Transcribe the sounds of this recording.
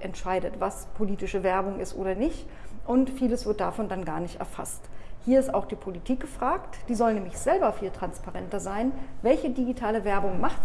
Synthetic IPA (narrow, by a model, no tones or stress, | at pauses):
ʔɛ̰ntʃaɪdətv̥aspʰoliːtɪʃəvɛɐbʊŋʔɪ̰stʔoːɾɐnɪçtʔʊntfiːləsv̥ɪɐt̚d̥afɔnd̥anɡaːɐnɪçtɛ̰ɐfa̰sthiːɐɪstaʊxd̥iːpʰolitʰiːk̚ɡ̥əfʁ̥aːktd̥iːzɔlnɛːmɪçz̥ɛlbɐfiːltʁ̥anspaʁɛntɐzaɪnvɛlçədiɡitʰaːləvɛɐbʊŋmaχt